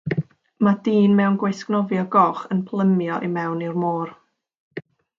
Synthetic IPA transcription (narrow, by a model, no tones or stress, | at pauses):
madiːnmɛwnɡwejsknɔvjɔɡɔχənpʰlˠəmjɔʔimɛwnirmoːr